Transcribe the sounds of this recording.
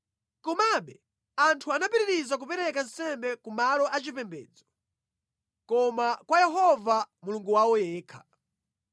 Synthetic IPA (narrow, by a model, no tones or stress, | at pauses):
kɔmaɓɛ | antʰuanapiɾiɾizak̬upɛɾɛkan̩sɛmbɛkumalɔʔat͡ʃipɛmbɛ̰ːd͡zɔ | kɔmakwajɛɦɔvamuluŋɡuwawɔjɛːkʰḁ